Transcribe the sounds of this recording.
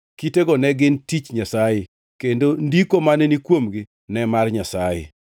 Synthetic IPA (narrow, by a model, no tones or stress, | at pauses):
kiteɡɔnɛɡɪntit͡ʃɲasaje | kendondikomanenikwomɡi | nɛmarɲasajḛ